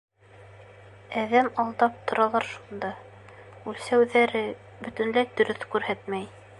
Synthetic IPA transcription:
æðæmɑlˠd̪ɑp̚t̪ŏɾɑlˠɑɾʃund̪ɑ | ʉlsæwðæɾɘ | bɵ̆t̪ɵ̆nlæjd̪ɵ̆ɾɵθkʉɾhæt̪mæj

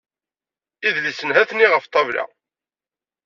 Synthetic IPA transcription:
iðlisənɦæθnːiʁəft̪ˤːɑvɾa̰

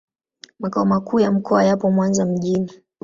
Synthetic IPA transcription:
makaɔmakuːjam̩kʰɔajapɔmwanzam̩ʄini

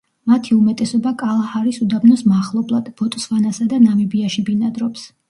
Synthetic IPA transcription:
mat̪ʰiumɛt̪ʼɛsɔbakʼalˠahaɾisud̪abnɔsmaχlˠɔblˠad̪̥bɔt̪ʼsvanasad̪anamibiaʃibinad̪ɾɔps

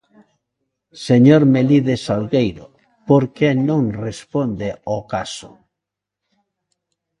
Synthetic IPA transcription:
seɲoɾmeliðesalɣejɾo̰ | poɾkenõŋrespond̪eokasʊ̥̰

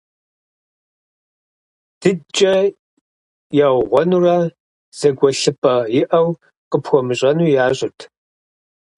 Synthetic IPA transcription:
d̥ɨt͡ʃʼɐ | jawʁʷɔnurɐ | z̥ɐɡʷɔɬɨpʼɐjɪʔɐw | qəpxʷɔmɨɕʼɐnuːjaːɕʼɪtʰ

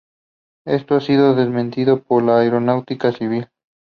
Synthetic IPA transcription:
est̪oasiðoðezmẽnt̪iðopoɾlaeɾonawt̪ikasiβ̞il

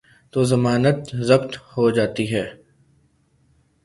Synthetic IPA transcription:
t̪oːzɐmaːnət̪zɐbt̪hod͡ʒaːt̪iɦɛː

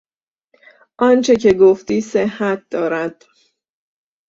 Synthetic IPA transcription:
ʔɒnt͡ʃʰe̞cʰe̞ɡoft̪iːsehːæt̪̚ʰd̪̥ɒːɾæd̪̥

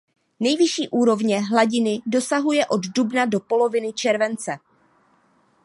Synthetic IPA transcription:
nɛjvɪʃiːʔuːɾo̞vɲɛɦlaɟɪnɪdo̞saɦujɛʔo̞ddubnado̞po̞lo̞vɪnɪt͡ʃɛɾvɛnt͡sɛ

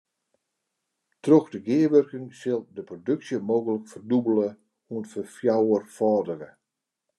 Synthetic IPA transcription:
troxdəɡɪəʋørkɪŋsɪlˠdəprodøksjəmoːɣələkfərdubələ | uənfəfjawərfɔːdərə

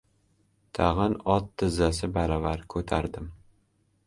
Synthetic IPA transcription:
t̪ʰaʁɨnɒt̪ʰːɪzːasɪbaɾɒvaɾkʰɵt̪ʰaɾd̪ɪm

